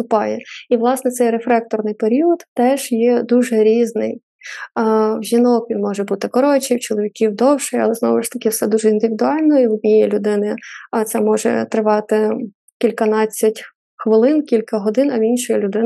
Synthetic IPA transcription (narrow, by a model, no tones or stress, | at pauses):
st̪ʊpɑjɛiʋlˠɑsnɛsɛjɾefɾɛk̚t̪ɔrnɪjpeɾʲiɔd̪t̪ɛʒ̥jɛd̪uʒɛɾʲiznɪj | wʒʲinɔkʋʲinmɔʒɛbut̪ɪkɔɾɔt͡ʃʲijwt͡ʃɔlˠɔʋʲikʲiwd̪ɔwʃɪjɐ̰lˠɛznɔ̰ʋɪʃt̪ɐkɪwsɛd̪uʒɛind̪ɪʋʲid̪ʊɑlʲnɔiɔdʲnʲijɛlʲʊd̪ɪnɪt̪sɛmɔʒɛ̰t̪ɾɪʋɑt̪ɪ | kʲilʲkɐnɑt͡sʲːɐtʲ | xʋɪlˠɪnkʲilʲkɐɦɔd̪ɪnɐʋʲinʃɔjilʲʊd̪ɪn